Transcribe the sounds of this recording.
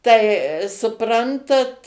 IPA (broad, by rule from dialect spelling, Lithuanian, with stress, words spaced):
tɐɪ sʊˈprɐntɐt